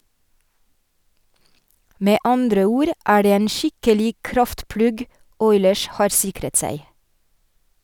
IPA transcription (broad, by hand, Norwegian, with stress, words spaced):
ˈmeː ˈɑndɾə ˈuːɾ ˈʔæː ˈɖeː ˈeːn ˈʃɪkəlɪɡ ˈkɾɑftˌplʉɡ ˈɔʏləɹs ˈhɑːɾ ˈsɪkɾət ˈsæɪ